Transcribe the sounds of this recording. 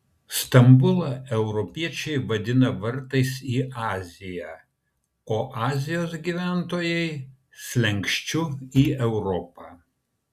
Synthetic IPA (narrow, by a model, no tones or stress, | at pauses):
st̪ɐmbʊlˠɐɛʊɾɔpʲiɛt͡ʃʲɛɪʋɐd̪ʲɪnɐʋɐɾt̪ɐɪsiːʔɑːzʲɪjæ | oːʔɑːzʲɪjoːs̬ɡʲiːʋʲæːnt̪oːjɛɪ | sʲlʲɛŋʲkʃʲt͡ʃʲʊiːʔɛʊɾɔːpɐ